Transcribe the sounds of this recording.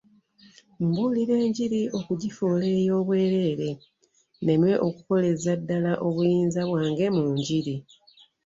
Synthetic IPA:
mbuliɾe̞ːɲɟiɾiʔo̞kuɟifoːle̞ːjo̞ːβwe̞ːɾe̞ːɾe̞ | ne̞mwe̞ʔo̞kuko̞le̞zadːalaʔo̞βujiːnzaβwaːŋɡe̞muːɲɟiɾi

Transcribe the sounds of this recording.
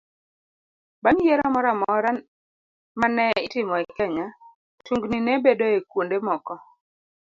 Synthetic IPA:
baŋjeɾamɔɾamɔɾan | manɛɪtɪmɔɛkɛɲa | tuŋɡninebedoekwondemɔkɔ

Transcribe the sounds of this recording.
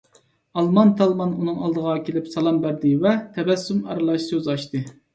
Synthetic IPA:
ɑlˠmɑnt̪ʰɑlˠmɑnunɨŋɑlˠd̪əʁɑkʲelɪpsɑlˠɑmbæɾd̪ɪvɛt̪ʰɛbɛsːumɑ̰ɾɨlˠɑʃsøzɑʃt̪ɨ

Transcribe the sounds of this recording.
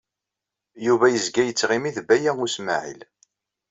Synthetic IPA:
juvæjəzɡæjət͡sːʁimiðbæjæŋʊsma̰ʕḭl

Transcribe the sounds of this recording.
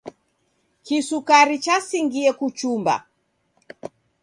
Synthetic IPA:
kisukaɾit͡ʃasiŋɡiɛkut͡ʃumba̰

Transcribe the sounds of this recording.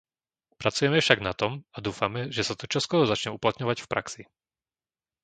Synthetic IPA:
pɾat͡sujɛmɛfʃaɡnat̪ɔmad̪uːfamɛʒɛsat̪ut͡ʃɔskɔɾɔzat͡ʃɲɛuplat̪ɲɔʋacfpɾʔaksi

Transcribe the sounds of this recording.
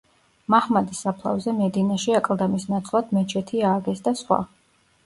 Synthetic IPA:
mahmad̪isːapʰlˠa̰vzɛmɛd̪inaʃiakʼlˠd̪amisnat̪sʼlˠad̪̥mɛt͡ʃʰɛt̪ʰiaːɡɛsd̪asχwa̰

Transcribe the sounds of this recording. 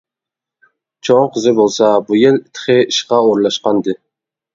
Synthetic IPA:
t͡ʃʰoŋqʰəzɪbolˠsɑbujɪlɪt̪ʰχʰɨiʃqɑoɾlˠɑʃqɑnd̪ɨ

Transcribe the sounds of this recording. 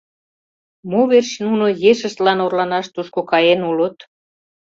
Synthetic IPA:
moβerɕnunojeʃə̆ʃt̪lɑnorlɑnɑʃt̪uʃkokɑjenulot̪

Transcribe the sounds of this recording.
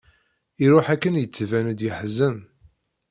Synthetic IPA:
iɾʊħækːənjət͡sːvænəd̪jəħzəm

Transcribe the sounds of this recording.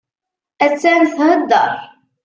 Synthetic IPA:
æt͡sːænθhəd̪ːə̰ɾˤ

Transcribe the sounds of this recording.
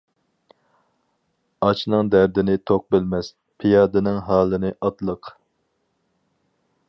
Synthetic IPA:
ɑt͡ʃʰnɨŋd̪æɾd̪ɪnɪt̪ʰoq̚bɪlmɛs | pʰijɑːd̪ɨnɪŋɦɑːlˠɨnɨʔɑt̪lˠəq

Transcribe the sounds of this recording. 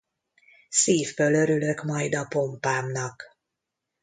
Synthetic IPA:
siːvbølø̞ɾylø̞kmɒjd̪ɒpo̞mpaːmnɒk

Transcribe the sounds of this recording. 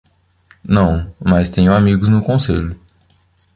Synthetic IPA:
nɐ̃w̃mast̪ẽɲʊamiɡʊznʊkõseʎʊ

